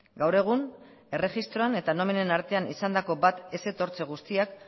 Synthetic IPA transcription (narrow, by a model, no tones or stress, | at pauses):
ɡawɾe̞ɣ̞un | e̞re̞ʝist̪ɾo̞ane̞t̪ano̞mine̞naɾt̪e̞anḭsand̪ako̞bat̪e̞se̞t̪o̞ɾt͡se̞ɣ̞ust̪iak